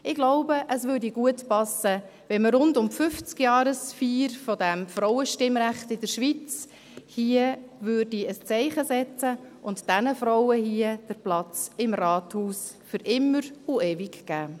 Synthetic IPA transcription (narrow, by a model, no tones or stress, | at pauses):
ʔɪɡ̥lɔʊbəʔəsʋʏːrdiɡuətpɑsə | ʋɛməɾʊndʊmfʏft͡skjɑːɾəsfiːɾfɔdæmfɾɔʊəʃtɪmɾæχtɪdəɾʃʋit͡s | hiəʋʏːrdiəst͡sɛɪχəsɛt͡səʔʊntd̥ænəfɾɔwəhiəd̥əɾplɑt͡sɪmrɑːthuːs | fʏɾʔɪmːəɾueːvikɡ̥æː